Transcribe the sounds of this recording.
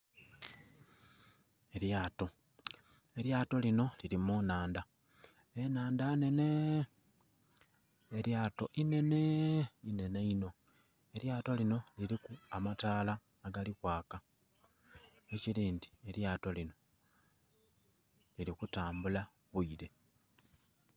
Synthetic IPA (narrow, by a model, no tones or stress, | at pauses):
e̞ɾjaːto̞ | e̞ɾjaːto̞lino̞liɾimunaːnda | enaːndane̞ne̞ | ɾjaːto̞ʔine̞ne̞ine̞ne̞ino̞ | e̞ɾjaːto̞lino̞liɾikuamataːlaː | ɡalikwaːka | eciɾiːndie̞ɾjaːto̞lino̞ | liɾikutaːmbula | βuiɾe̞